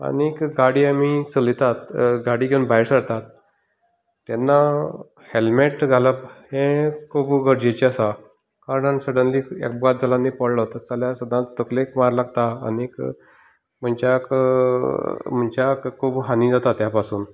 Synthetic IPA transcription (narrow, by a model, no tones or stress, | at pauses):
a̰nikɡaɽiːamisəlit̪at̪ɡaɽiːɡʱeunbaiɾsəɾt̪at̪ | ɛnːa | helmeʈɡʱaləphẽkʰubɡəɾd͡ʑet͡ɕiasa | kaɾəɳansəɽənlikḛkbɡat̪̚d͡zʱəlãnːipəɽlaɦot̪at͡saljasəd̪ʱːãt̪əklekmaɾlaɡt̪a̰ːnik | m̤əɳt͡ɕak | m̤əɳt͡ɕakkʰːuːbɦanĩd͡zat̪at̪japasuːn